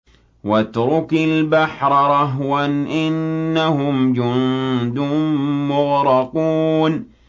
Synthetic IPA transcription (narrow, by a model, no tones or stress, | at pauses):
wat̪ɾʊkalbaħɾˤɑɾˤɑɦwanʔɪnːahʊmd͡ʒʊnd̪ʊːʊɣɾɑquːn